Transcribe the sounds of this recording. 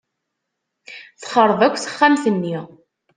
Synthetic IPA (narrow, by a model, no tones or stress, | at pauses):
θχəɾˤðˤækʷːθə̥χːæmθənːi